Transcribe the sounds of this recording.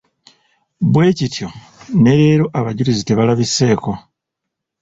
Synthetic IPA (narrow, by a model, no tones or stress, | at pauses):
βwe̞ːcitʰjo̞ | ne̞ɾeːɾoʔaβaɟulizite̞βalaβise̞ːko̞